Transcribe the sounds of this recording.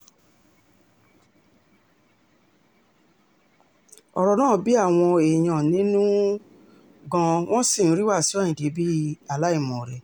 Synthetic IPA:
ɔ˧ɾɔ˨˧nãː˦˨bi˨˦a˦˨w̃ɔ̃˧e˨j̃ã˨nĩ˦nũ˦ | ɡã˧w̃ɔ̃˦sĩ˦˨˦ɾi˦wa˦˨sĩ˦˨ĩ˨ɡe˨˦bi˦a˨la˦i˦˨mɔ̃˨ɾe˨

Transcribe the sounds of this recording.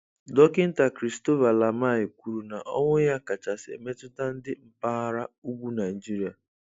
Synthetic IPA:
dɔ˦kɪ˦n̩˦ta˨kɾi˨sto˦va˨la˨ma˦˨ɪ˨kʷu˨ɾu˨na˨ʔɔ˦ŋʷʊ˦ja˦ka˨t͡ʃa˨sḛ˨me˦tʊ˦ta˦n̩˦dɪ˦m̩˨pa˦a˦ɾa˦u˦ɡʷu˦na˨i˨d͡ʒi˦ɾi˨a˨

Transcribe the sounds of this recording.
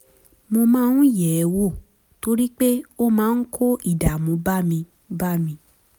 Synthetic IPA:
mo˧mãː˦n̩˦jɛ˨˦wo˦˨ | to˦ɾi˦k͡pe˦o˦mãː˨˦n̩˦kʰo˦ʔi˦˨da˨mõ˨˧ba˦mĩ˧ | ba˦mĩ˧

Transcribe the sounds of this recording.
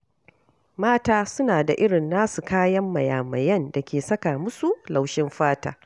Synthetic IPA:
maː˦taː˦sʊ˦naː˨da˨ʔɪ˦ɽɪ˨nːaː˦su˨kaː˦jɐ˦mːɐ˨jaː˨mɐ˨jɐ˦˨nda˨kʲeː˨sɐ˦ka˨mʊ˦su˨la˨wʃɪ˦mɸaː˦ta̰ː˨

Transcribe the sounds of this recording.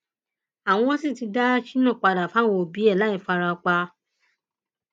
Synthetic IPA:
a˨w̃ɔ̃˧ɔ̃˦sĩ˦˨ti˧da˦ʃi˦nã˦˨k͡pa˧da˨fa˦wɔ̃˧o˨bi˨˦ɛ˦˨la˨˦i˦˨fa˧ɾa˧k͡pa˧

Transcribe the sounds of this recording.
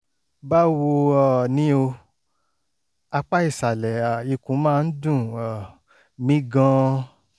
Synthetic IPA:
ba˦wo˧a˨nĩ˦o˧ | a˧k͡pa˦i˦˨sa˨lɛ˨a˨i˧kũ˨˦mãː˦˧n̩˦dũ˦˨a˨ | mĩ˦ɡã˧

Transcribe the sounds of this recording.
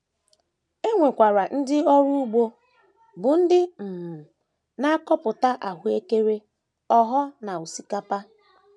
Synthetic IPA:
e˦ŋʷe˨kʷa˨ɾa˨n̩˦dɪ˦ɔ˦ɾu˦u˦ɡ͡bo˦ | bʊ˨n̩˦dɪ˦m̩˨m̩˨ | na˦a˦kɔ˦pʊ˨ta˦ʔa˨ɦʊ˨e˦ke˦ɾe˦ | ɔ˦ɦɔ˦na˨u˨si˦ka˦pa˦

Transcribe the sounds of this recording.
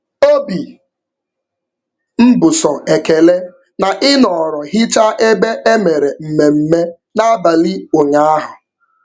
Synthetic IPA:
o˦bi˨ | m̩˦bʊ˨sɔ˨e˨ke˨le˦ | na˨ʔɪ˦nɔ˨ɾɔ˨ɦɪ˦t͡ʃa˦ʔe˦be˦ʔe˦me˨ɾe˨m̩˨me˨m̩˦me˦ | na˦ba˨li˦ʊ˨ɲa˦a˦ɦʊ˨

